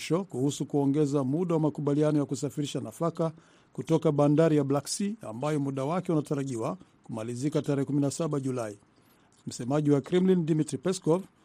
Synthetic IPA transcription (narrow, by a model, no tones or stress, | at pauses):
ʃɔkuhusukuɔŋɡɛzamuɗawamakuɓalianɔjakusafiɾiʃanafaka | kutɔkaɓandaɾijablaksia̰mbajɔmuɗawakɛunataɾaʄiwakumalizikataɾɛhɛkuminasaɓaʄulai | m̩sɛmaʄiwakɾimlindimitɾipɛskɔv